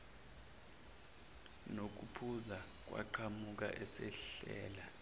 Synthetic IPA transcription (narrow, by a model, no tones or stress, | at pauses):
nok̬upʰuza | k̬wʔa̰ǃʰamuk̬ʼa̰ʔɛsɛɬɛ̰ːla